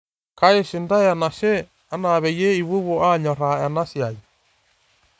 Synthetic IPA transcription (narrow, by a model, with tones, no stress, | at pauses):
ka˦e˦ʃi˨nda˦ja˨na˨ʃe˦ | a˦na˨βɛ˨je˦i˨βu˦βo˦a˦ɲɔ˨ɾa˨ɛ˨na˦sja˨ji˨